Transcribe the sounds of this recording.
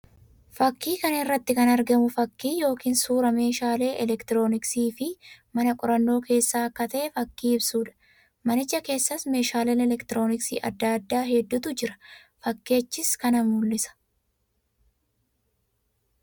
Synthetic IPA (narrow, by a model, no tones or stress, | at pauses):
fɐkːiːkɐnɪrːɐt̪ːɪkɐnɐɾɡɐmʊfɐkːiːjo̞ːkiːnsuːɾɐme̞ːʃaːle̞ːʔɛlɛkt̪ɪɾo̞ːnɪksiːfɪmɐnɐkʼʊɾɐnːo̞ːkʰe̞ːsːaːɐkːɐt̪ɐʔɛfɐkːiːɪbsuːᶑɐ̥ | mɐnɪd͡ʒɐke̞ːsːɐsme̞ːʃaːleːnɛlɛkt̪ɪɾo̞ːnɪksḭːʔɐ̰d̪ːaːd̪ːaːɦɛd̪ːʊt̪ʊd͡ʒɪɾɐ̥ | fɐkːe̞ːt͡ʃːɪskɐnɐmulːɪsɐ̥